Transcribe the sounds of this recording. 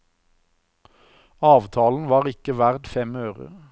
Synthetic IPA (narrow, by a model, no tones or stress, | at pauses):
ɑːʋt̪ʰɑːln̩ʋɑːʁɪkəʋæʁd̪fɛmøːʁə̰